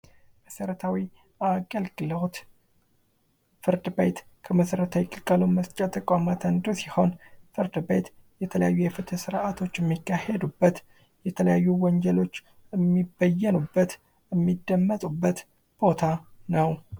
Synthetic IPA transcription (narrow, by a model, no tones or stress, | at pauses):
məsəɾət̪ʰawi | aɡəlɡɨləwt̪ | fɨɾd̪ɨbejt̪kʰəməsəɾət̪ʰawikʼɨlkʼəloməst͡ʃʼat̪ʰʼəkʼamat̪ʰənd̪usiho̞nfɨɾd̪ɨbejt̪jɛt̪ʰələjajːujɛfɨt̪ʰəsɨɾat̪ʰo̞t͡ʃːjɛmːikːahed̪ubːət̪ | jɛt̪ʰələjajːuwɔnd͡ʒɛlo̞t͡ʃː | ɨmːibəjːɛnubːət̪ | əmːid̪ːəmːət̪ʼubːət̪ | b̥o̞t̪ʰanəw